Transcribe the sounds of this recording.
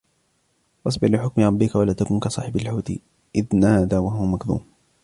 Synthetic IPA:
ʔʔɑs̬ˤbɪħlɪħʊkmɪɾˤɑbːɪkawalaːt̪akʊnkasˤɑːħɪbalħuːt̪ | ʔɪðnaːðaːwaɦʊwamakðṵːm

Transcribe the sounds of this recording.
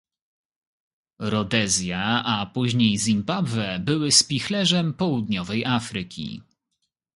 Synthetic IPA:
ɾɔd̪ɛzʲjaapuʑɲejzʲimbabvɛbɘwɘspʲixlɛʐɛmpɔwud̪ɲɔvɛjʔafɾɘkʲʰḭ

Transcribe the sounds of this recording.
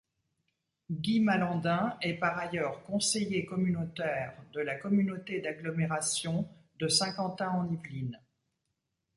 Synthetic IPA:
ɡʲimalɑ̃d̪ɛ̃ɛpaʁajœʁkɔ̃sejekɔmynot̪ɛʁd̪əlakɔmynot̪ed̪aɡlɔmeʁasjɔ̃d̪əsɛ̃kɑ̃t̪ɛ̃ɑ̃nivlin

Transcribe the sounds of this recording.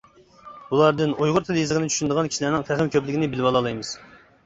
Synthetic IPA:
bulˠɑɾd̪ɨnojʁʊɾt̪ʰeljizəʁɨnɨt͡ʃʰy̥ʃynɪd̪əʁɑnkʲʰi̥ʃilæɾnɪŋfʰæχɨmkʲʰøplɪkʲinɪbɪlvɑlˠɑlˠɑjmɨz̥

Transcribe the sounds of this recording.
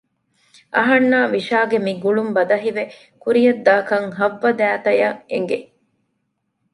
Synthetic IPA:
ʔɐ̰ɦɐnːaːʋiʃaːɡemiɡuɭumbɐd̪ɐɦiʋe | kuɾijɐd̪ːaːkɐŋɦɐʋːɐd̪æːt̪ɐjɐḛŋɡe

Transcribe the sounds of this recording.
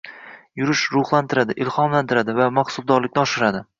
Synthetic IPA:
jʊɾɪʃɾʊχlˠant̪ʰɪɾad̪ɪʔɪlχɒmlant̪ʰɪɾad̪ɪvamaχsʊlˠd̪ɒɾlɪkʲnɪɒʃɪɾad̪ɪ

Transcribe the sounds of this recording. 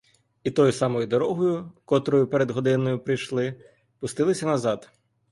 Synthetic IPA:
it̪ɔjʊsɑmɔjʊd̪ɔɾɔɦɔjʊkɔt̪ɾɔjʊpeɾed̪ɦɔd̪ɪnɔjʊpɾɪjʃlˠɪ | pʊst̪ɪlˠɪsʲɐnɐzɑd̪

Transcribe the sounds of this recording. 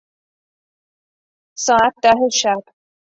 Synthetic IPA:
sɒːæt̪̚d̪æɦeʃæb̥

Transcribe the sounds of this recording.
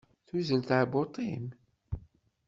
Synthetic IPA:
θuzəlt̪ʕabot̪ˤim

